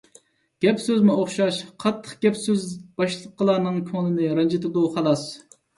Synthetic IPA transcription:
ɡ̥ʲɛpsøzmuoχʃɑʃqʰɑt̪ʰːə̥χɡ̥ʲɛpsøzb̥ɑʃlˠəqqːəlˠɑːnɨŋkʲʰoŋnɨnɨɾɑnd͡ʒit̪d̪uχɑlˠɑs

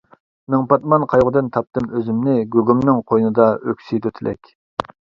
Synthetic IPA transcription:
mɪŋpɑt̪̚mɑnqʰɑjʁʊd̪ɨnt̪ʰɑp̚t̪ɨmøzɪmnɪɡʲøɡʲymnɪŋqʰojnɨd̪ɑøkʲsid̪ʰøt̪ʰɪlʔɛ̰kʲ

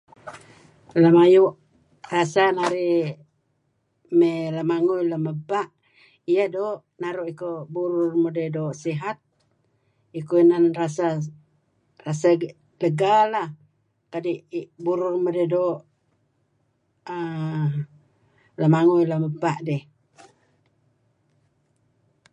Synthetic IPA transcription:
ləmajuʔ | rasanaɾi | meləmaŋujləməbaʔ | ijadoːʔ | naɾuʔikobuɾʊrmodedoːʔsiɦat̪̚ | ikoinanrasa | rasa | ləɡalah | kadiʔbuɾʊrmodedoːʔ | ə | ləmaŋujləməbaʔdɛh

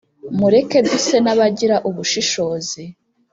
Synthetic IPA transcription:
muɾe̞ke̞bɡise̞naβaɟiɾaʔuβuʃiʃo̞ːzi

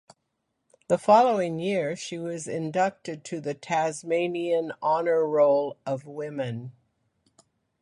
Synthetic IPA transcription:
ðəfɑlˠoʊɪ̃ŋjɪɹʃiwʌzɪ̃ndʌk̚tɨd̚tʰɨðɨtʰæzmẽɪ̃niɨ̃nɑnə˞ɹoʊlˠʌvwɪ̃mɨ̃n

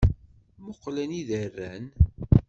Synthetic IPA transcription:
mʊqːlæniðərːæn

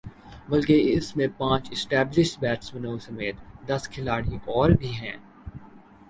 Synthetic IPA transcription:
bɐlkeɪsmẽpãːt͡ʃɪsʈɛːblɪʃʈbɛːʈsbɐnoːsɐmeːt̪d̪ɐskʰɪlaːɽiʔɔːɾbʱiɦɛ̃ː

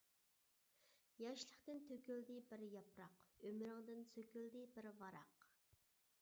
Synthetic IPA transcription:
jɑʃlˠəχt̪ɪnt̪ʰøkʲøld̪ɪbɪɾjɑpɾɑqømɾɪŋd̪ɪnsøkʲøld̪ɪbɪɾvɑɾɑq

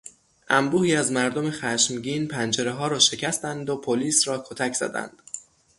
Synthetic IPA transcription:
ʔæmbuːhiːæzmæɾd̪o̞mexæʃmɟiːnpʰænd͡ʒe̞ɾeɦɒːɾɒːʃe̞cʰæst̪ænd̪o̞pʰoliːsɾɒːkʰot̪ʰæcʰz̥æ̰d̪æ̰nd̪̥

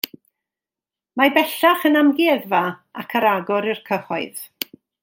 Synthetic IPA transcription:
mabɛɬaχənamɡɪðvaakʰəɾaɡɔɾɪrkʰəχɔɨð

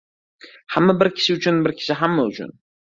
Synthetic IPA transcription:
hamːabɪɾkʲʰɪ̥ʃɪʊt͡ʃʰʊnbɪɾkʲʰɪ̥ʃɪɦamːaʊt͡ʃʰʊ̰n

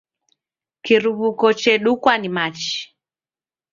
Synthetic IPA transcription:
kiɾuβukɔt͡ʃɛɗukwanimat͡ʃi̥

